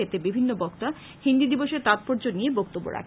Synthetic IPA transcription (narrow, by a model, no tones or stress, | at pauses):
et̪ebibʱinːobɔkt̪a | hind̪id̪iboʃeɾt̪at̪̚poɾd͡ʑonːijebɔk̚t̪obːo̰ɾa̰kʰ